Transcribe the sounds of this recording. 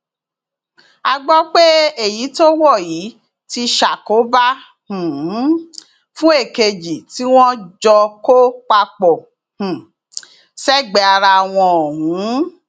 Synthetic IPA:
a˧ɡ͡bɔ˦k͡pe˦e˦˨ji˨˦to˦wɔ˦˨ji˨˦ | ti˧ʃa˨ko˨˦ba˦ | hũ˨˦ | fũ˦e˦˨ke˧d͡ʒi˨ti˨˦w̃ɔ̃˦d͡ʒɔ˧ko˦k͡pa˧k͡pɔ˨ | hũ˨ | sɛ˦ɡ͡bɛ˨a˧ɾa˧a˨w̃ɔ̃˧o˨hũ˨˦˨

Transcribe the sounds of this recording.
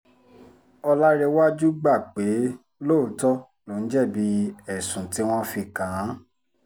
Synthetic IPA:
ɔ˧la˦ɾe˧wa˦d͡ʒu˦ɡ͡ba˦˨k͡pe˨˦ | lo˦˨tɔ˦ | nõ˨˦n̩˦d͡ʒɛ˦˨bi˧ɛ˨sũ˨ti˨˦w̃ɔ̃˦fi˧kã˨˦

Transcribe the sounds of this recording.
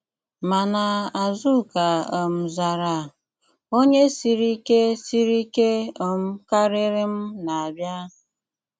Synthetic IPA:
ma˨na˨a˨zu˦˨ka˨ɔ˨m̩˨za˨ɾa˨ | o˦ɲe˦si˦ɾi˦ke˦si˦ɾi˦ke˦ɔ˨m̩˦ka˦ɾɪ˦ɾɪ˦m̩˦na˨a˨bja˦

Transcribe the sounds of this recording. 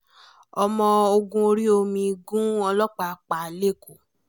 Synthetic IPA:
ɔ˧mɔ̃˧o˧ɡũ˧o˧ɾi˦o˧mĩ˧ɡũ˦ɔ˧lɔ˦k͡pa˨k͡pa˨le˦˨ko˨

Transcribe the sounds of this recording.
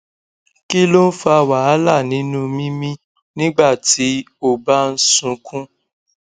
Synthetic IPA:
ki˦lo˦n̩˦fa˦˧˨wa˨a˨˦la˦˨nĩ˨˦nũ˦mĩ˦mĩ˦ | nĩ˦ɡ͡ba˦˨ti˨˦ | o˦˨ba˦n̩˦sũ˧kʰũ˦

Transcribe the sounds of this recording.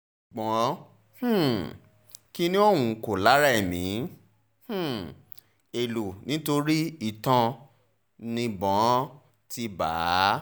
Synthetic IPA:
ɡ͡bɔ̃˨˦ | h̩˦˨ | ki˦nĩ˦ɔ˦˨wũ˧ko˨la˨˦ɾa˦˨mĩ˨˦ | h̩˦˨ | e˨lu˨nĩ˨˦to˧ɾi˦i˨tɔ̃˧ | nĩ˧bɔ̃˨˦ | ti˧ba̰ː˨˦

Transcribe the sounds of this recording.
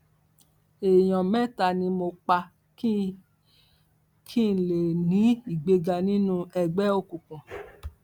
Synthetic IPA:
e˨j̃ɔ̃˨mɛ˦˨ta˧˨nĩ˧mo˧k͡pa˧ | kʰi˦˨n˨le˨nĩ˨˦i˦˨ɡ͡be˧ɡa˧nĩ˦nũ˦ɛ˧ɡ͡bɛ˦o˦˨kũ˨kũ˨

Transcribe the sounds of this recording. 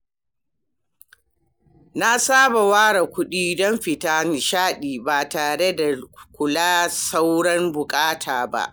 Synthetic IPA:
na˦saː˦ba˨waː˦ɽa˨kʷʊ˦ɗiː˦dɔ˦mɸɪ˨taː˦n˨ʃaː˦ɗiː˨baː˨taː˨ɽe˦da˨kʷʊ˨laː˦sa˦wɽɐ˦mbʊ˨kʼaː˦tʰaː˨ba̰˦ʔ

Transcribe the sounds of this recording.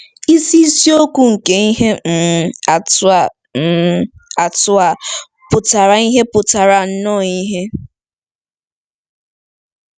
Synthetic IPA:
i˦si˦i˦si˦o˦ku˦ŋ̩˨ke˨i˦ɦe˦m̩˨a˨˦˨ | a˨tʊ˦a˨ | pʊ˨ta˨ɾa˨i˦ɦe˦pʊ˨ta˨ɾa˨n̩˦nɔ˦˨ɲi˦ɦe˦

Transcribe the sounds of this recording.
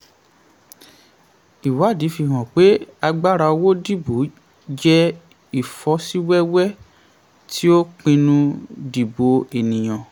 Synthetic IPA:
i˨wa˨˦˨di˨˦fi˧˨ɦɔ̃˨k͡pe˨˦a˧ɡ͡ba˦ɾa˧o˧wo˦di˦˨bu˨˦ | d͡ʒɛ˦ | i˨fɔ˨˦si˦wɛ˦wɛ˦ | tʰi˦o˦k͡pĩ˧nũ˧di˨bo˨˧e˨nĩ˨j̃ã˨

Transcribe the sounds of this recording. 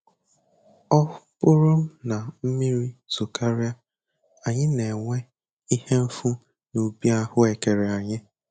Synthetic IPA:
ɔ˦ʊ˦pʊ˦ɾo˦m̩˦na˨m̩˦mi˦ɾi˦z̥u˨kʰa˦ɾja˦ | a˨ɲɪ˦ne˨ŋʷe˦ | i˦he˦m̩˦fu˦ | nu˨bi˦a˦hʊ˦e˨ke˨ɾe˨a˨ɲɪ˦

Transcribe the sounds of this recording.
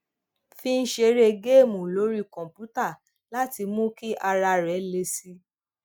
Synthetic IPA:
fĩ˧˦n̩˦ʃe˧˦ɾe˧ɡe˦˨mũ˨lo˨˦ɾi˦˨kɔ̃˨mpu˨˦ta˦˨ | la˦ti˧mũ˦ki˦ʔa˧ɾa˧ɾɛ˨˦le˧si˦

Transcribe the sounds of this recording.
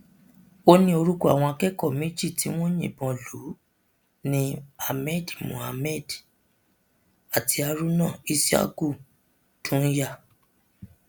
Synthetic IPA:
o˦nĩ˦o˧ɾu˦ku˦a̰˨w̃ɔ̃˧a˧kɛ˦kɔ˦˨mĩ˦d͡ʒi˦˨ti˨˦w̃ɔ̃˦ɲḭ̃˨bɔ̃˧lu˨˦ | nĩ˧˦a˧mɛ˦˨dmṵ̃˨a˧mɛ˦˨d | a˨tʰi˧a˧ɾu˦nãː˦˨i˦si˦a̰˦ku˦˨ | tʰũ˦n̩˦ja˦˨

